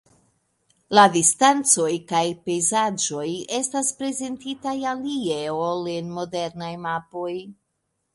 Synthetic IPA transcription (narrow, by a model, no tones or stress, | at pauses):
ladistant͡so̞jkajpe̞jzad͡ʒo̞je̞staspɾe̞ze̞ntitajalieolenmo̞de̞ɾnajmapo̞j